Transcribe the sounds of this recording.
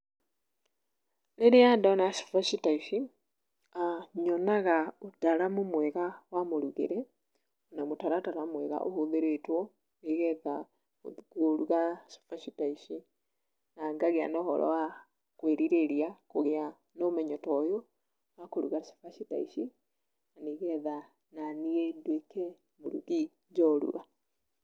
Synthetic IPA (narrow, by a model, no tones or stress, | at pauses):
neɾeandonaʃi̥faʃitaiʃi | aɲonaɣautaɾamumwɛɣawamuɾuɣḛɾe | onamutaɾataɾamwɛɣa̰ʔo̰hoðeɾetwo | eɣeða | koɾuɣaʃḁfaʃitaiʃi | naːŋɡaɣea̰nɛɔhɔ̰ɾʔɔ̰wa | kweɾiɾeɾiakoɣea | nomɛɲɔtɔjɔ | akoɾuɣasḁfaʃita̰ḭʃi | naneɣɛða | naniendwekɛ | moɾṵɣi | d͡ʒɔɾṵa